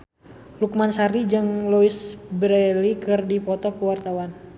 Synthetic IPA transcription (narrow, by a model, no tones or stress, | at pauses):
luk̚mansaɾid͡ʒɨŋluisbɾɛlikɨrdipɔt̪ɔkəwart̪awan